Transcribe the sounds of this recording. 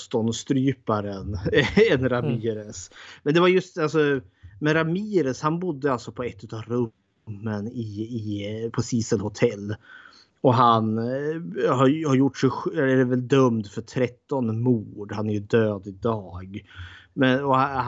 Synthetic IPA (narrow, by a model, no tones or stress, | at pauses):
st̪ɔnst̪ɾyːpaɾənɛnɾamiːɾəsmɛnd̪ɛvaɾjɵst̪alsɔ | mɛnɾamiːɾəshanbʊd̪ːəalt̪sɔpʰɔɛt̪ːʉːt̪ɑvɾɵ | mːənɪː | pʰɔsiːsəlhʊt̪ʰɛlː | ɔɦan | hahaɾjʊʈːʂɛjɧæɖɛvɛld̪œmd̪fœʈʰɾɛt̪ːɔnmuːɖhanæɾjɵd̪øːd̪ɪd̪ɑːɡmɛnɔ